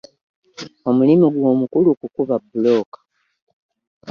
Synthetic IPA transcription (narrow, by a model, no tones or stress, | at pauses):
o̞mulimiɡwo̞ːmukulukukuβabulo̞ːkḁ